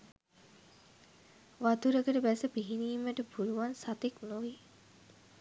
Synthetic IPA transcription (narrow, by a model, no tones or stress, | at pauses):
ʋat̪uɾəkəʈəbæsəpiɦiniːmʋæʈəpuluʋansat̪eknoʋi